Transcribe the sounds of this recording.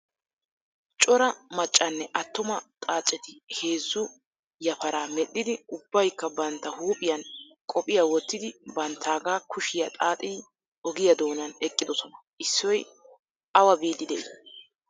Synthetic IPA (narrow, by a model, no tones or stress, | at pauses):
t͡ʃʼɔɾɐmɐt͡ʃʼːɐnːɛʔɐt̪ːʊmɐt̪ʼaːt͡ʃʼːɛt̪ɪhe̞ːzːʊ | jɐpɐɾaːmɛɗːɪd̪ɪʊbːɐjkːɐbɐnt̪ːɐhuːpʼɪjɐn | kʼɔpʼɪjawɔt̪ːɪd̪ɪbɐnt̪ʰːaːɡaːkʰʊʃɪjɐt̪ʼaːt̪ʼɪː | ɔɡɪjɐd̪o̞ːnɐnɛkʼːɪd̪ɔsɔnɐʔɪsːɔj | ɐwɐbiːd̪ɪd̪ɛʔɪ